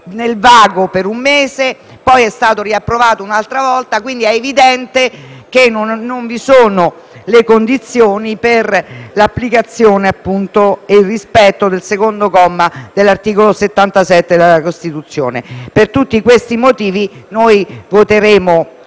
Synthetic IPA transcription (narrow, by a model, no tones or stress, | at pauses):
nelvaːɡopeɾumːeːze | pɔjɛst̪aːt̪oɾiapːɾovaːt̪ounalt̪ɾavɔlt̪akwind̪iɛevid̪ɛnt̪ek̟enoːoɱvisoːno | lekond̪it̪sːjoːniperlapːlikat̪sːjoːneapːunt̪oeilrispɛt̪ːod̪elsekond̪okɔmːad̪elːart̪iːkoloset̪ːant̪asɛt̪ːed̪elakost̪it̪ut̪sːjo̰ːnḛpert̪ut̪ːikwest̪imot̪iːvinojvot̪eɾeːmo